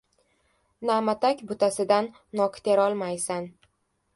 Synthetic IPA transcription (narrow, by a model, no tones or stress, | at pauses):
namat̪ʰakʲbʊt̪ʰasɪd̪anːɒkt̪ʰeɾɒlˠmajsan